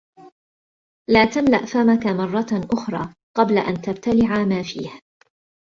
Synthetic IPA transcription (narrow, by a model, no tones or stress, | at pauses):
laːt̪amla̰ʔfamakamɑrˤːɑʔʊxɾˤɑː | qɑblaʔant̪abt̪alɪʕamaːfḭːh